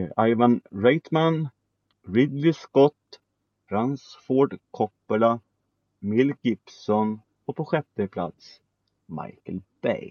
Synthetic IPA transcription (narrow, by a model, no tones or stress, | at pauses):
ajvanɾɛjt̪man | ɾɪd̪lɪskɔt̪ː | ɾansfɔɖkʰɔpːəla | mɪlːɡɪpsɔn | ɔpʰɔɧɛt̪ːəpʰla̰t̪s | ma̰jkəlb̥ɛ̰j